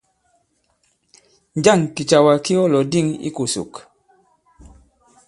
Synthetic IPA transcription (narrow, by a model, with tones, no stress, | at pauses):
n˦d͡ʒa˦˨ŋki˨t͡ʃa˨wa˨ki˦ɔ˦lɔ˨di˦˨ŋḭ˦ku˨sṵ˨k